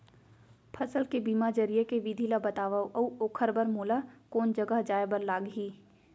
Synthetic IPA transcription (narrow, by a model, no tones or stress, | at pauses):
pʰɐsəlkebiːmad͡ʒəɾijekeʋid̪ʱilabɐt̪aːʋawʔɐuoːkʰəɾbəɾmoːlakoːnd͡ʒəɡəɦd͡ʒaːjbəɾlaːɡɦiː